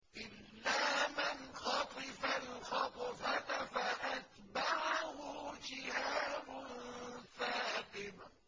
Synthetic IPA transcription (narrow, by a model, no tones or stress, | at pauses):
ʔɪlːaːmɪnxɑt̪ˤɪfalxɑt̪ˤfat̪afaʔat̪ | baʕahʊd͡ʒɪhaːbʊnnfaːt̪ɪma